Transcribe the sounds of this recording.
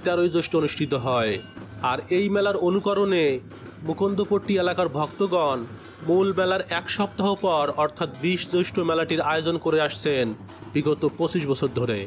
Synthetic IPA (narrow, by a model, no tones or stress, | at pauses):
t̪ɛɾojd͡ʑoʃʈoonuʃʈʰit̪̬oɦɔeaɾejmɛlaɾonukɔɾone | mukond̪ʱopoʈʈːielakaɾbʱɔkt̪oɡɔn | mulmɛlaɾɛkʃɔp̚t̪aɦopɔɾɔɾt̪ʰat̪biʃd͡ʑoʃʈomɛlaʈiɾaod͡ʑonkoɾeaʃt͡ɕʰen | biɡot̪opot͡ɕiʃbɔt͡ɕʰoɾd̪ʱoɾḛ